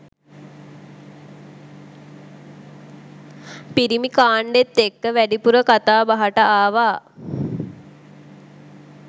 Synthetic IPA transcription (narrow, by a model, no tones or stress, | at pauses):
piɾimikaːɳɖet̪ːekːəʋæɖipuɾəkat̪aːbaɦaʈəaːʋaː